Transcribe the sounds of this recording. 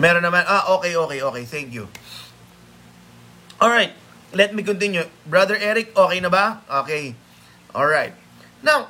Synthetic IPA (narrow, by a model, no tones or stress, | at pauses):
mɛɾonːɐmanʔaʔoːkɛjʔo̞ːkɛjʔoːkɛjt̪ɛŋkjʊ | ʔolɹajt̪̚ | lɛt̪̚mik̬ʊnt̪̬ɪnjʊbɹɐd̪ɛɹʔɛɾɪk̚ʔo̞ːkɛjnɐbaʔoːkɛj | ʔolɹajt̪̚ | naw